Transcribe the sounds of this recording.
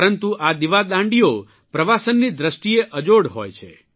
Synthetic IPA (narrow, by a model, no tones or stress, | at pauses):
ɾənt̪uʔad̪iʋad̪ãɳɖijo | pɾəʋasənːid̪ɾəsʈieʔəd͡ʒoɽɦo̰jt͡ʃʰḛ